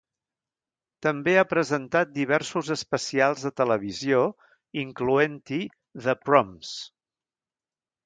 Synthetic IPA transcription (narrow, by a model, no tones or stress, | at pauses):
t̪əmbeapɾəzənt̪at̪̚d̪iβ̞ɛɾsuzəspəsialˠzðət̪ələβ̞izio | iŋkluent̪i | ðəpɾɔms